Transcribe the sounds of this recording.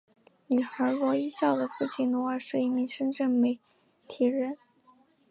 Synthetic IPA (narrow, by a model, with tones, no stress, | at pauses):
ny˨˩xə˞˧˥lwɔ˧˥i˥ɕjɑ˥˩ʊd̪ə˩fu˥˩t͡ɕʰi˧˥nwɔ˧˥ə˞˨˧˥ʂɻ̩˥˧i˥˩mi˧˥ŋʂə˥nʈ͡ʂə˥˩ŋme˧˩ɪ | t̪ʰi˨˥ɻə˧˥n